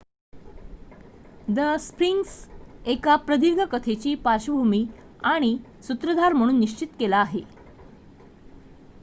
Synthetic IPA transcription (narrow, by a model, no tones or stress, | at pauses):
d̪əspɾiŋksekapɾəd̪iʋɡʱəkət̪ʰet͡ɕiːpaɾɕəbʱumiː | aɽ̃isut̪ɾəd̪ʱaɾm̤əɽ̃uːnːiɕt͡ɕit̪kelaːɦe